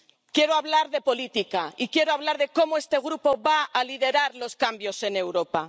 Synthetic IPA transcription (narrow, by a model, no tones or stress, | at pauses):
kjeɾoaβlaɾðe̞po̞lit̪ikaikje̞ɾoaβ̞laɾðe̞ko̞moe̞st̪e̞ɣ̞ɾupoβaaliðe̞ɾaɾlo̞skambjo̞se̞ne̞wɾo̞pa